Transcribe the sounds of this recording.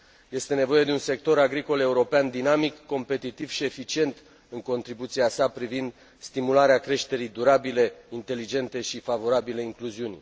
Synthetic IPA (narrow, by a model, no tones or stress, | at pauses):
je̞st̪e̞ne̞vo̞je̞d̪eunse̞k̚t̪o̞ɾaɡɾiko̞le̞uɾo̞peand̪inamikːo̞mpe̞t̪it̪iv̥ʃie̞fit͡ʃie̞nt̪ | ɨŋko̞nt̪ɾibut̪siasapɾivind̪ | st̪imulaɾeakɾe̞ʃt̪e̞ɾijd̪uɾabile̞int̪e̞lid͡ʒe̞nt̪e̞ʃifavo̞ɾabileiŋkluziunʲ